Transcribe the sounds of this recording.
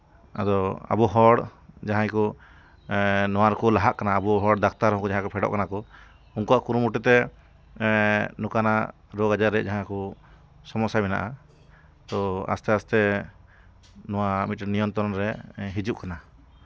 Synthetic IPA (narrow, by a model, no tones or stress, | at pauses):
a̰d̪ɔa̰buɦɔɽd͡ʒaɦãjkɔ | nɔwaɾkɔlaɦaʔkanaːbuɦɔɽd̪ak̚ʰt̪aɾɦɔ̃kɔd͡ʒaɦãkɔpʰɛɖɔ̰ʔkanakɔ | uŋkɔaʔkuɾumuʈɛt̪ɛ | nukana | ɾɔɡad͡ʒaɾɛʔd͡ʒaɦãkɔ | sɔmɔsamɛna̰ʔa | t̪ɔa̰st̪ɛast̪ɛ | nɔwamit̪̚nijɔmt̪ɔɾɔnɾɛɦid͡ʒuʔkana